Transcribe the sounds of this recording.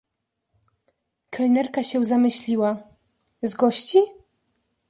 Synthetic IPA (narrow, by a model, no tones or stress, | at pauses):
kʰɛlnɛɾkaɕɛzamɘɕlʲiwa | zɡɔɕt͡ɕi